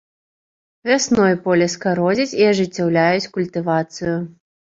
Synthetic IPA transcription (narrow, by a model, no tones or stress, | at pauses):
vʲasnɔjpɔlʲɛskaɾɔzʲit͡sʲiaʐɨt͡sʲːawlʲajut͡sʲkulʲt̪ɨvat̪sɨju